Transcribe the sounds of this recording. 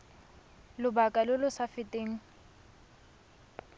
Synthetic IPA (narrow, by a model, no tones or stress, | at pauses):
lʊbakʼalʊlʊsafɪtʼeːŋ̩